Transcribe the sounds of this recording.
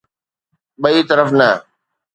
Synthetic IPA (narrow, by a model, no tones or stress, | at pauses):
ɓɐit̪əɾəfnɐ